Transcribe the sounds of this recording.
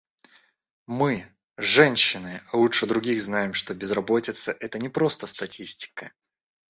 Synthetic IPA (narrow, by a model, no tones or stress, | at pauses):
mɨ | ʐɛnʲɕːɪnɨalˠut͡ʂʂɨd̪ɾʊɡʲixznajɪmʂt̪o̞bʲɪzrɐbo̞tʲɪt̪səʔɛt̪ənʲɪpɾo̞st̪əst̪ɐtʲʰisʲtʲɪ̥kə